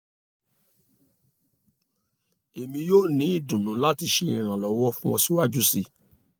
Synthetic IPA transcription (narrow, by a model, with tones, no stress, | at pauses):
e˨mĩ˧joː˦˨nĩ˨˦i˦˨dũ˨nũ˨˦la˦ti˧ʃe˧˦˨ĩ˨ɾ̃ã˨lɔ˨˦wɔ˦fũ˦wɔ̃˧si˦wa˦˨d͡ʒu˦si˦˨